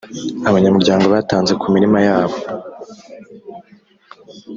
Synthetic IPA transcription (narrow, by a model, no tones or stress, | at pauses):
aβaɲamuɾɟaːŋɡo̞βataːnze̞kʰumiɾimajaːβo̞